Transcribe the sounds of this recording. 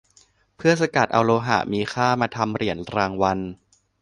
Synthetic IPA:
pʰɯ˥˩ɐsa˧ka˨˩t̪̚ʔa˧wloː˧ɦa̰˨˩ʔmiː˧xʰaː˥˩maː˧t̪ʰa˧mɾi˩˦ənɾaː˧ŋwa˧n

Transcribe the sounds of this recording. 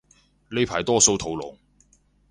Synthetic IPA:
le˨˧pʰaː˨˩jt̪ɔː˥so˧wt̪ʰo˨˥wlɔ̰˨˩ŋ

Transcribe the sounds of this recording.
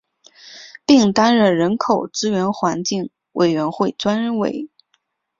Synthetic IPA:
pi˥˩ŋt̪a˥nɻə˥˩nɻə˧˥nkʰo˨˩ʊt͡sɹ̩˥ɥɛ˧˥nxwa˧˥nt͡ɕi˥˩ŋ | wʔe˨˩ɪɥɛ˧˥nxwe˥˩ɪt͡swa˥nɻə˧˥nwḛ˧˥˩ɪ

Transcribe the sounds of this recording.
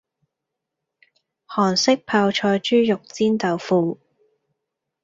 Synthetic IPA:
hɔː˨˩nsɪ˥k̚pʰaː˧wt͡ʃʰɔː˧jt͡ʃyː˥jʊ˨k̚t͡siː˥nt̪ɐ˨wfuː˧

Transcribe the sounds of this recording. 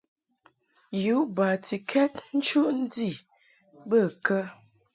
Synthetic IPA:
ju˨˦ʔba˨ti˨kʰɛ˦t̚n̩˦t͡ʃu˦ʔn̩˦di˦˨ | bə˦˨kə˦

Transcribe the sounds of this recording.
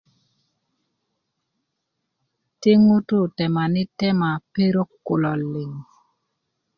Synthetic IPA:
te˦ŋo˦to˦˨tɛ˨ma˨nɪ˦tɛ˦ma˨pe˦ɾo˦kːʊ̰˨lɔ˨lɪ˨ŋ

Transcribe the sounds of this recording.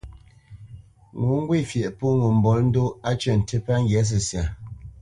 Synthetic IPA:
ŋu˨˦ŋ̩˦ɡwi˦˨fjɛ˨ʔpu˦ŋu˨m̩˨bɔ˨˦ln̩˦do˦a˦t͡ʃə˦˨n̩˨te˦pa˦ŋ̩˦ɡjɛ˨˦s̬ə˨sja˨

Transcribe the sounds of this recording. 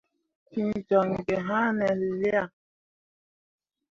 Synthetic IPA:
kĩ˦˨d͡ʒɔ˨ŋ̩˨ɡɛ˨ɦã˦nɛ˨lli˦a˦˨

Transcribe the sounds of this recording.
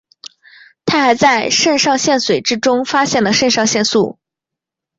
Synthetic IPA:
t̪ʰa˥xa˧˥ɪt͡sa˥˧ɪʂə˥˧nʂɑ˥˧ŋɕjɛ˥˩nswe˨˩ɪʈ͡ʂɻ̩˥ʈ͡ʂʊ˥ŋfa˥ɕjɛ˥˩nlə˩ʂə˥˧nʂɑ˥˧ŋɕjɛ˥˧nsu˥˩

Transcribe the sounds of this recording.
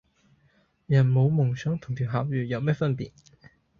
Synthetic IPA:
jɐ˨˩nmo˨˧wmʊ˨˩ŋsœː˨˥ŋt̪ʰʊ˨˩ŋt̪ʰiː˨˩wɦaː˨˥p̚jyː˨jɐ˨˧wmɛː˥fɐ˥npḭː˨t̚

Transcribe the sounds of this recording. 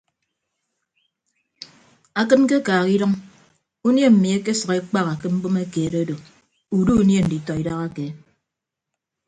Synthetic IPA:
a˨kɨ˦nke˦kaː˨ɣi˦dɔ˦ŋ | u˦nje˦m̩˨mi˨e˦ke˦sʌ˨ke˦k͡pa˦ka˨kɨ˦m̩˦bo˦me˦keː˨ɾo˦do˨ | u˨du˦u˦nje˦n̩˨di˨tɔ˨i˨da˦ɣa˦ke˨

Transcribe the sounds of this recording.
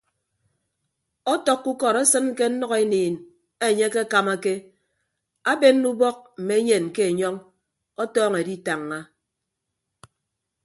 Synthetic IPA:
ɔ˦tɔ˨kːu˦kɔ˨ɾa˦sɨ˦n˦ke˦n̩˦nɔ˦ɣe˦niː˨n | e˦˨ɲe˦ke˦a˦ka˨ma˦ke˦ | a˦be˦nː˦u˦bɔ˦k̚m̩˨me˨˦e˦ɲe˨n˨ke˦e˨ɲɔ˦ŋ | ɔ˦tɔː˦ŋe˨di˦ta˨ŋːa˦

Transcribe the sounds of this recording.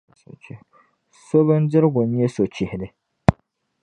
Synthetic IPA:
t͡ʃ | so˦bɨ˦n˦dɪ˦ɾɨ˦ɡʊ˨ɲ˦e˦so˨t͡ʃɪ˨hɪ˨lɨ˦

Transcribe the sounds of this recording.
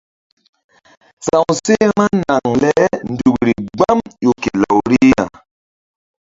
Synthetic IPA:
sã˨wse˦mã˦na˨ŋlɛ˦n̩˨du˨kɾi˨ɡ͡ba˦mjo˨ke˨la˨wɾi˦ja̰˨

